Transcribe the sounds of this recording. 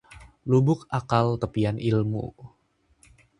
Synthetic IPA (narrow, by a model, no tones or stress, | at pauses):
lubʊk̚akalt̪əpianʔilmṵ